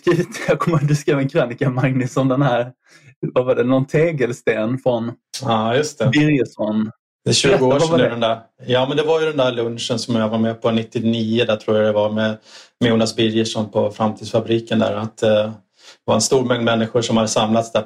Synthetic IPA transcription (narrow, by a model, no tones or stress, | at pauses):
skɾiːvɪt̪ːjɑkʰɔmːd̪ɵskɾeːvənkʰɾanɪkamaŋnɪsɔmd̪ɛnhæːɾ | vavaɖɛnɔnt̪ʰeːɡəlst̪eːnfɾɔnɑːjɵst̪ʰɛbɪɾjəʂɔn | ɛɕʉːɡaaɛnd̪æ | jɑːmɛnd̪ɛvaɾjɵd̪ɛnd̪æɾlɵnʂənsɔmjavaɾmɛpʰɔnɪt̪ːɪniːʊd̪æʈ̪ʰɾuːɾjad̪ɛvaɾmɛmjuːnasbɪɾjəʂɔnpʰɔfɾamt̪ʰiːd̪sfabɾiːkənd̪æ̰ːɾat̪ | d̪vaɾɛnst̪uːɾmɛŋnmɛnːɪɧʊʂɔmhad̪əsamlat̪sd̪æ